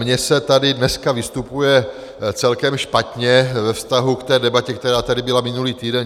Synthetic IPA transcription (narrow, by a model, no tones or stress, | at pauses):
mɲɛsɛt̪adɪdnɛskavɪst̪upujɛ | t͡sɛlkɛmʃpat̪ɲɛvɛfst̪aɦukt̪ɛːdɛbacɛk̚t̪ɛɾaːt̪adɪbɪlamɪnuliːt̪iːdɛn